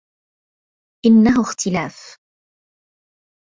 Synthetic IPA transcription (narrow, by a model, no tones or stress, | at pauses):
ʔɪnːaɦʊxt̪ɪlaːf